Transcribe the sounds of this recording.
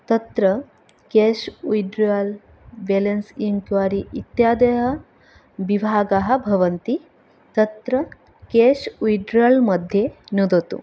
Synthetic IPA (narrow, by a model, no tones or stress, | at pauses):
t̪ɐt̪ɾɐ | keːʃujɖɾaːl | belɐnsiŋkʋaːɾiʔit̪jaːd̪ɐɦɐ | ʋibʱaːɡɐɦɐ̆bʱɐʋɐnt̪i | t̪ɐt̪ɾɐ | keːʃujɖɾalmɐd̪ʱjenud̪ɐt̪ṵ